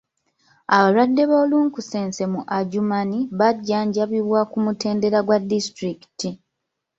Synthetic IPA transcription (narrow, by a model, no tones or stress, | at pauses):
aβalwadːe̞βoːluːŋkuse̞ːnse̞muʔaɟumaniβaɟːaːɲɟaβiβwakumute̞ːnde̞ɾaɡwadːistɾiki̥ti